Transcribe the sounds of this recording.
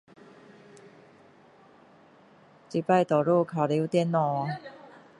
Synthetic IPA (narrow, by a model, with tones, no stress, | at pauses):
t͡ɕi˨˩pa˥˧jt̪ɔ˨˩ɾu˥˧˨kʰa˨˩li˧˦wt̪jɛ˧˦nɔ˨˦